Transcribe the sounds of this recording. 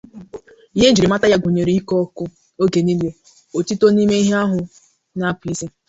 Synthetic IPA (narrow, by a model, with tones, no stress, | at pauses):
i˦ɦe˦n̩˦d͡ʒi˨ɾi˨ma˦ta˦ja˦ɡʷo˨ɲe˨ɾi˦i˦kɔ˦kʊ˦ | o˦ɡe˨ni˦le˨ | o˨ti˦to˦ni˦me˦i˦ɦe˦a˦ɦʊ˨ | na˦˨pi˦ze˦